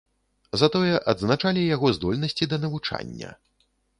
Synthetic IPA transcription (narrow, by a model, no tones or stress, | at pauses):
zat̪ɔjɛʔɐd̪znat͡ʂalʲijaɣɔzd̪ɔlʲnɐsʲt͡sʲid̪ɐnɐvut͡ʂa̰nʲːɐ̰